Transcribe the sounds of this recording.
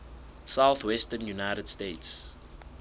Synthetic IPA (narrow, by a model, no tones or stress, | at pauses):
sawθwɛstənjunajɾədsteːts